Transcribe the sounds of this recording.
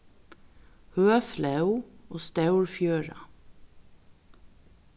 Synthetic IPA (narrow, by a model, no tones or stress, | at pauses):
høːflɑʉoːst̪ɑʉɹfjøːɹɑ̰